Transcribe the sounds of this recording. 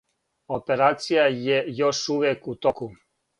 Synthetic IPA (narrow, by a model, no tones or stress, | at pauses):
opeɾaːt̪sijajejoʃuːʋekut̪oku